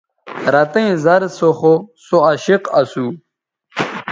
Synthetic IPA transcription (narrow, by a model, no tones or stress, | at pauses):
ɾɐt̪ɐ̃ĩzɐɾsoχosoɐɕiqɐsu